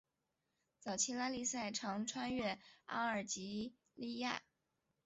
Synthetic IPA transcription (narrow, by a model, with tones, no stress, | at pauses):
t͡sɑ˨˩ʊt͡ɕʰi˥la˥li˥˧sa˥˩ɪʈ͡ʂʰɑ˧˥ŋʈ͡ʂʰwa˥nɥɛ˥˩a̰˥ə˞˨˩t͡ɕi˧˥ | li˥˧ja̰˥˩